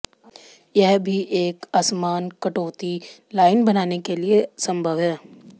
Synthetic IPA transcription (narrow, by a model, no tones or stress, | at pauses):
jɛɦbʱiʔeːkasmaːnkɐʈoːt̪ilaːɪnbɐnaːnekeliesɐ̃mbʱəʋɦɛː